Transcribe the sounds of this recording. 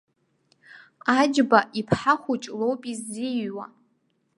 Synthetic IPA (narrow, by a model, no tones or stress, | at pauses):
ad͡ʒbaʔipʰħaχʷut͡ʃʼlowpʼizːiwa̰